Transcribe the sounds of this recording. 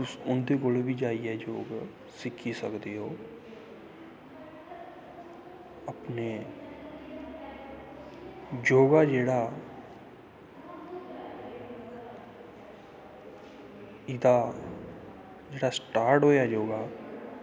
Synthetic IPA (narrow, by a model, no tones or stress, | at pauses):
ʊsʊnd̪eːkoːlbiːd͡ʒaːiɦɛːd͡ʒoːɡ | sɪkʰːisəkd̪eːɦoː | əpneː | d͡ʒoːɡaːd͡ʒeːɽaː | ɪd̪aː | d͡ʒeːɽaːsʈaːɾʈɦoːjaːd͡ʒoːɡaː